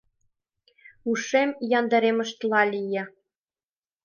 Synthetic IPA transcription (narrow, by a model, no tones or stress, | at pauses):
uʂemjɑnd̪ɑɾemɤ̆ʃt̪lˠɑlʲijĕ